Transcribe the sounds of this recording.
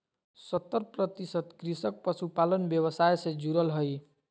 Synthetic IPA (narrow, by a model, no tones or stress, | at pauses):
sʌt̪ːʌrprʌt̪isʌt̪krisʌk̚pʌsupalʌnbjʌbʌsajsed͡zuɾʌlɦʌj